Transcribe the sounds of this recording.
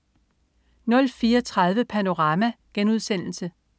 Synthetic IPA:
nɒ̽lfiːɒt͡sʰʁɑ̈ð̞ˠʋəpʰæno̝ʁɑ̈ːmæɡ̥enuð̞ˠsen̰l̩sə

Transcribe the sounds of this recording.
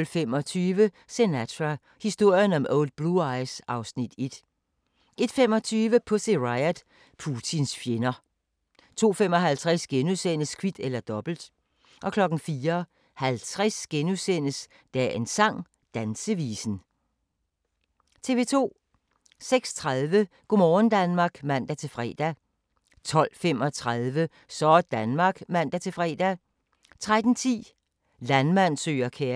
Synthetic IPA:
lfem̰ɒ̽t͡sʰyːʋə | senæt͡sʰæ | hisd̥o̝ɐ̰jənɒ̽mʔɔʊld̥̚b̥luɑ̈ɪsɑ̈ʊsnid̥ed̥ | e̝d̥fem̰ɒ̽t͡sʰyːʋəpʰɔ̽se̝ʁɑɪæd̥ | pʰuːt͡sʰinsfje̝nɐ | t͡sʰo̝̰ːfemɒ̽ɦælt͡sʰʁasɡ̥enusen̰əskʰʋid̥elɐd̥ɒ̽b̥l̩d̥ | ʔɒ̽kʰlɒ̽ɡ̥n̩fiːɐ | hælt͡sʰʁasɡ̥enusen̰əs | d̥æe̝nsɑ̈ŋ̰ | d̥ænsəʋiːsn̩ | t͡sʰe̝ːʋe̝ːt͡sʰo̝̰ː | seɡ̥st͡sʰʁaðˠʋə | ɡ̥omɒːn̩d̥ænmɑ̈ɡ̥mæn̰d̥æt͡sʰe̝fʁɛ̰ːd̥æ | t͡sʰɒ̽l̰femɒ̽t͡sʰʁaðˠʋə | sɒ̥d̥ænmɑ̈ːɡ̥mæn̰d̥æt͡sʰe̝fʁɛ̰ːd̥æ | t͡sʰʁad̥n̩t͡sʰḭː | lænmæn̰sø̰ːɐkʰe

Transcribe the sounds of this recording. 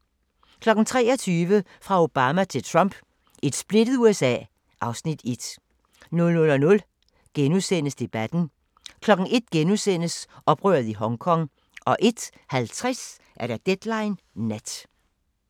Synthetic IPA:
kʰlɒ̽ɡ̥n̩t͡sʰʁɛ̰ːɒt͡sʰyːʋəfʁɑ̈o̝b̥ɑːmæt͡sʰe̝lt͡sʰʁɑm̰b̥ | e̝d̥sb̥le̝d̥əð̞̩ˠuesɛ̰ː | ʔɑ̈ʊsnid̥e̝d̥ | nɔ̽lnɔ̽lɒ̽nɔl | ɡ̥enusen̰əsd̥e̝b̥æd̥n̩ | kʰlɒ̽ɡ̥n̩e̝d̥ɡ̥enusen̰əsɒ̽b̥ʁœːɐðˠiɦɒ̽ŋkʰɒ̽ŋ̰ | ʔɒ̽ʔe̝d̥ | hælt͡sʰʁas | ʔæɐɾ̥æd̥ed̥lɑ̈ɪnː | æd̥

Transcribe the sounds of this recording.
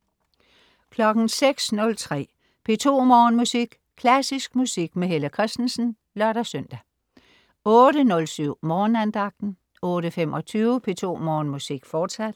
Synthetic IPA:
kʰlɒ̽ɡ̥n̩seɡ̥snɔ̽lt͡sʰʁɛ̰ː | pʰe̝t͡sʰo̝̰ːmɒːnmusiɡ̥ | kʰlæsisɡ̥̚musiɡ̥meɦeləkʰʁɛsd̥n̩sn̩ | lɶɐɾ̥æsœn̰d̥æ | ɔ̽ːɾənɔ̽lsyʊ̰mɒːnænd̥ɑ̈ɡ̥̚d̥n̩ | ɔ̽ːɾəfemʔɒ̽t͡sʰyːʊəpʰe̝t͡sʰo̝̰ːmɒːnmusiɡ̥fɒːd̥sæd̥

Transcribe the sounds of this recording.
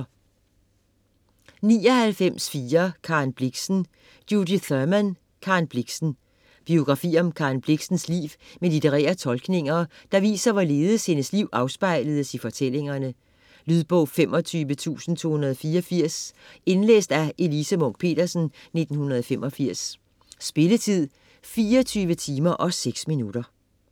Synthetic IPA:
niːɒ̽hælfem̰sfiːɐkʰɑ̈nb̥liɡ̥sn̩ | d̥jud̥iθɶmæn | kʰɑ̈nb̥liɡ̥sn̩ | b̥io̝ɡ̥ʁɑ̈fḭːɒ̽mkʰɑ̈ːnb̥liɡ̥sn̩slḭːʋmelit͡sʰeʁɛ̰ːɐt͡sʰɒ̽lɡ̥ne̝ŋɐd̥ɑ̈ʋḭːsɐʋɒle̝ːðˠəshe̝nəsliʊ̰ʔɑ̈ʊsb̥ɑ̈ɪ̰ləð̞̩ˠəsifɒ̽t͡sʰel̰e̝ŋɐnə | lyðˠb̥ɔ̽ʊ̰femʔɒ̽t͡sʰyːʋət͡sʰṵːsn̩t͡sʰo̝̰ːhunɐðˠɒfiːɐɒfiɐ̰se̝nlḛːsd̥æʔe̝lisəmɔ̽ŋ̥̚pʰe̝̰ːd̥ɐsn̩ne̝d̥n̩hunɐð̞ˠɒfem̰ɒ̽fiɐ̰sː | b̥e̝lət͡sʰið̰ˠ | fiːɐt͡sʰyːʋət͡sʰiːmɐʔɒ̽seɡ̥sminuɾ̥ɐ

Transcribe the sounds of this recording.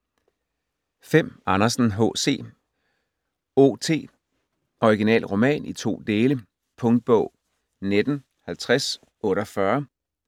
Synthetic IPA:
fem̰ɑ̈nɐsn̩ɦɔ̰ːse̝̰ː | o̰ːt͡sʰe̝̰ː | ɒiɡ̥inɛ̰ːlʁo̝mɛ̰ːnʔit͡sʰo̝̰ːd̥e̝ːlə | pʰɔ̽ŋd̥̚b̥ɔ̽ʊ̰ | ned̥n̩ | hælt͡sʰʁas | ɔ̽ːɾɐfɶɐ

